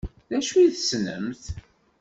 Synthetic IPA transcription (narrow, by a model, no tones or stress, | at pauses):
ðæʃuiθsnə̰mθ